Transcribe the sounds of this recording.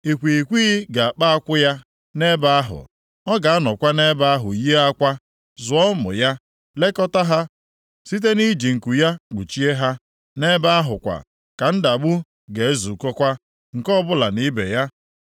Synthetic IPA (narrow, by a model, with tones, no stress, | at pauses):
i˨kʷi˨kʷi˦ɡa˨a˨k͡pa˦a˦kʷʊ˦ja˦ | ne˦ba˦a˦ɦʊ̰˨ | ɔ˦ɡa˨a˦nɔ˨kʷa˦ne˦ba˦a˦ɦʊ̰˨je˦a˦kʷa˦ | zʊ˨ɔ˦mʊ̰˨ja˦ | le˦kɔ˦ta˦ɦa˦ | si˦t̬e˦ni˦d͡ʒi˨ŋ̩˨ku˨ja˦k͡pu˨t͡ʃi˦e˦ɦa˦ | ne˦ba˦a˦ɦʊ˨kʷa̰˨ | ka˨n̩˦da˨ɡ͡bʊ˦ | ɡe˨e˦zu˨kɔ˦kʷa˦ | ŋ̩˨kɔ˦bʊ˦la˨ni˦bḛ˨ja˦